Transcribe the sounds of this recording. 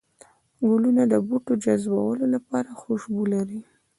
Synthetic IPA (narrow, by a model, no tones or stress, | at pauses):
ɡʊlunad̪əbuʈod͡ʒazba̰wəlolapɑɾaxoʃbolaɾi